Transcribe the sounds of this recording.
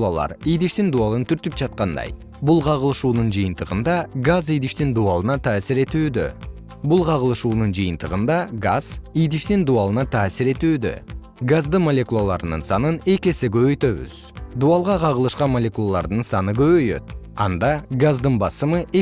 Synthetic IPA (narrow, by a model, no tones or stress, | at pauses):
lˠa̰lˠɑ̰ɾijd̪iʃt̪ind̪uɑlˠɯnt̪yɾt̪yp̚d͡ʒɑt̪̚qɑnd̪ɑ̰j | bulˠqʰɑʁəlˠɯʃuːnund͡ʒɯjɯnt̪ɯʁɯnd̪ɑɡazijd̪iʃt̪ind̪uɑlˠɯnɑt̪ʰɑːsiɾe̞t̪yːd̪ø̞̰ | bulˠqʰɑʁəlˠɯʃuːnund͡ʒɯjɯnt̪ɯʁɯnd̪ɑɡaz̥ijd̪iʃt̪ind̪uɑlˠɯnɑt̪ʰaːsiɾe̞t̪yːd̪ø̞̰ | ɡazd̪ɯmolʲe̞kulˠalˠɑ̰ɾɯnɯ̰nsɑnɯne̞ke̞seɡø̞βø̞jt̪ø̞βy̰z̥d̪uɑlˠʁɑqʰɑʁəlˠɯʃqɑnmolʲe̞kulˠalˠɑ̰ɾd̪ɯnsɑnɯɡø̞βøjø̞̰t̪̚ɑnd̪ɑɡazd̪ɯnbɑsɯmɯʔe